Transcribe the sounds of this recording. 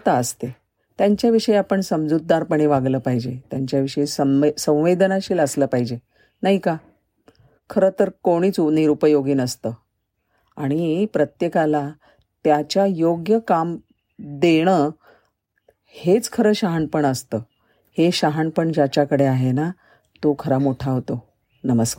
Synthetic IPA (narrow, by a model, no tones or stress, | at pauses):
t̪aəst̪e | t̪jaɲt͡ɕjaʋiʂəjeapəɳsəmd͡zud̪ːaɾpəɳ̃eʋaɡləːpaɦid͡ʑet̪jaɲt͡ɕjaʋiʂəjesəsə̃w̃ʋed̪ənaɕiːləsləːpaɦid͡ʑe | naɦika | kʰəɾəːt̪əɾkoɽ̃iːt͡suʋniːɾupəjoɡiːnəst̪əː | aɽ̃ipɾət̪jekala | t̪jat͡ɕjajoɡjəkam | d̪eɽ̃əː | het͡skʰəɾəːɕaɦanpəɳəst̪əː | heɕaɦanpəɳd͡ʑat͡ɕakəɽeaɦena | t̪okʰəɾamoʈʰaɦot̪o | nəməskaɾ